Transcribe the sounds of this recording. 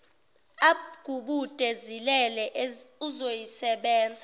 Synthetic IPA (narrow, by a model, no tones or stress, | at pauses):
aɡ̥ʱuɓud̥ʼʱezilɛlɛʔuzojisɛɓɛːnd͡zʱa